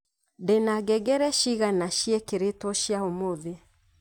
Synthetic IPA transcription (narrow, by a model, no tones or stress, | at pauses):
denaɡɛɡɛɾɛʃiɣanaʃiɛkeɾetɔʃjaomoðe